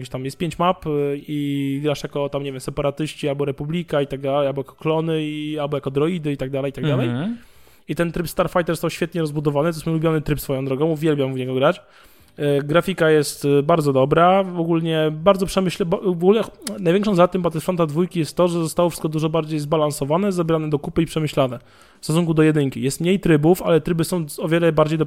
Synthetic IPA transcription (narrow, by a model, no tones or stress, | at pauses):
kʲeɕt̪amjɛst̪̚pʲeɲt͡ɕmapiɡɾaʂjakɔt̪amɲevʲɛmsɛpaɾat̪ɘɕt͡ɕialbɔɾɛpublʲikait̪aɡ̚d̪alɛjalbɔjakɔ̥klɔnɘialbɔjakɔd̪ɾɔid̪ɘit̪aɡ̚d̪alɛjit̪aɡd̪alɛj | it̪ɛnt̪ɾɘpst̪aɾfajt̪ɛɾzɔst̪awɕfʲɛt̪ɲɛɾɔzbud̪ɔvanɘt̪zɛmlubʲjɔnɘt̪ɾɘpsfɔjɔ̃w̃d̪ɾɔɡɔ̃w̃uvʲjɛlbʲjamuɲɛɡɔɡɾat͡ɕ | ɡɾafʲikajɛst̪baɾd̪zɔd̪ɔbɾaɔɡulɲɛbaɾd̪ɔpʂɛmɘɕlɛbɔvɔɡulɛnajvʲjɛŋkʂɔ̃zat̪ɨmbat̪ɛfɾɔnt̪ad̪vujkʲijɛst̪ːɔʐɛzɔst̪awɔfʂɘ̥t̪kɔd̪uʐɔbaɾd͡ʑejzbalansɔvanɛzabʲɾanɛd̪ɔkupɘipʂɛmɘɕlanɛ | fst̪ɔsuŋkud̪ɔjɛd̪ɘŋkʲijɛst̪mɲejt̪ɾɘbufa̰lɛt̪ɾɘbɘsɔ̃w̃ɔvʲjɛlɛbaɾd͡ʑejd̪